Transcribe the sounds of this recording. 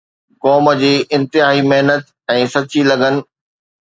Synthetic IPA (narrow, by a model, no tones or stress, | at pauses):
kɔːmə̆d͡ʑeːʔɪ̃nt̪ɪɦaːɦimɐɦnət̪̚ | ɛ̃ːsɐt͡ɕilɐɡənɪ̆